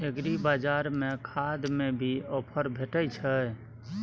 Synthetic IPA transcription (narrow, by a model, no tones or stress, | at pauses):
ekɾibad͡ʒaɾmekʰad̪mẽbʱiɔpʰəɾbʱeʈət͡ʃʰə